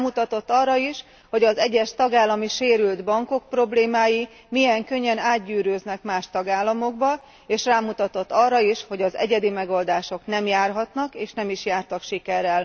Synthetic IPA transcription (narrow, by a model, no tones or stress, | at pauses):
mut̪ɒt̪o̞t̪ːɒːrːɒiʃ | ho̞ɟɒzɛɟːɛʃt̪ɒɡaːlːɒmiʃeːɾyld̪bɒŋko̞k̚pro̞bleːmaːji | mijɛŋkøɲːɛnaːd̪̚ɟyːɾøːznɛkmaːʃt̪ɒɡaːlːɒmo̞ɡbɒ | eːʃraːmut̪ɒt̪o̞t̪ːɒrːɒiʃho̞ɟɒzɛ̰ɟɛd̪imɛɡo̞ld̪aːʃo̞knɛmjaːrɦɒt̪nɒkeːʃnɛmiʃjaːrt̪ɒkʃikɛɾɛl